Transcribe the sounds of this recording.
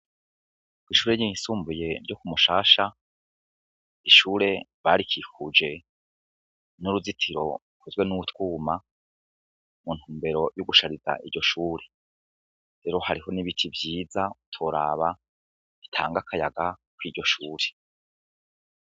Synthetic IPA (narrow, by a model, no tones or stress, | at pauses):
wiʃuːɾeɲisuːmbuje̞ɾɟo̞kumuʃaːʃa | iʃuːɾe̞βaːɾikikud͡ʒe̞ | nuɾuzitʰiɾo̞ | kʰozwe̞nuutkwuːma | mun̥huːmbe̞ɾo̞juɡuʃaɾiza̰ʔiɾɟo̞ʃuːɾe̞ | ɾe̞ːɾo̞haɾiɦo̞niβitʰivjiːzautʰoɾa̰ːβa | itʰa̰ːŋɡakʰajaɡakwiːɾɟo̞ʃuːɾe